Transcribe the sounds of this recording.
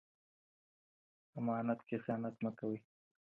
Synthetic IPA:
amɑːnat̪kesɑnat̪məkawi

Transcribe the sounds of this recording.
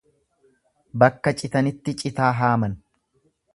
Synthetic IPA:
bɐkːɐt͡ʃʼɪt̪ɐnɪt̪ːɪt͡ʃʼɪt̪aːɦaːmɐn

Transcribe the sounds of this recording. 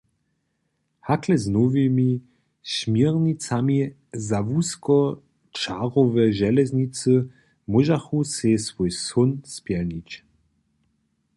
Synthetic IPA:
haklɛznɔvimi | ɕmjiʁnʲit͡sami | zavuskɔ | t͡ʃaʁɔvɛʒɛlɛzɲit͡sɨ | muʒaxusɛsvojsɔnspjɛlɲit͡ɕ

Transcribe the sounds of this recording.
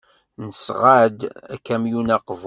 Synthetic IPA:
nəsʁad̪æ̰kːæmjunæqv

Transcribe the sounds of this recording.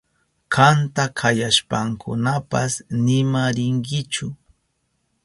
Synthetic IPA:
kʰant̪akʰajaʃpaŋkʰʊ̰napasnɪmaɾɪŋkɪt͡ʃʊ

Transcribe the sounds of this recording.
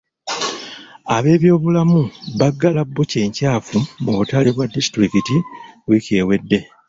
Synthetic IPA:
aβe̞ːβjo̞ːβulamuβaɡːalabːuce̞ːɲcaːfumuβutaliβwadːisi̥tɾikitiwice̞ːwe̞dːe̞

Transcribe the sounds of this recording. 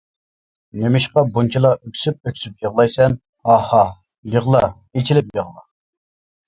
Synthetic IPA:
nemɪʃqɑbunt͡ʃʰilˠɑʔøkʲʰsyp̚økʲsypjəʁlˠɑjsɛn | ɑhɑ | jəʁlˠɑ | et͡ʃʰilɪp̚jəʁlˠɑ

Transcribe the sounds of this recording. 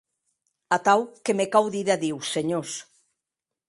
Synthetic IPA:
at̪awkemekawðiðaðiwseɲos

